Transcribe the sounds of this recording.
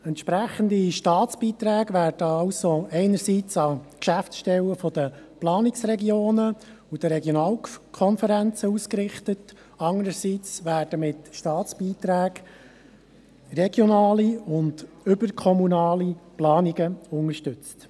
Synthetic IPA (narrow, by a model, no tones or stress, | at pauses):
ɛntʃpɾæχənd̪iʃtɑːt͡sb̥iːt̪ɾæːɡʋæːrdəɑʊsoɛɪnəɾsiːt͡sɑkʃæftsʃtɛwəfɔd̥̪əplɑːnɪksrɾɛɡioːnə | ud̥̪əɾɛɡjɔnɑːlkʰɔnfəɾænt͡səuskɾɪχtət | ɑnəɾəsiːt͡sʋæːɾd̥əmɪtʃtɑːt͡sb̥iːt̪ɾæːɡ | rɛɡjɔnɑːliʊnd | ʏbərkʰɔmunɑːliplɑːniɡəʊŋəɾʃtʉt͡st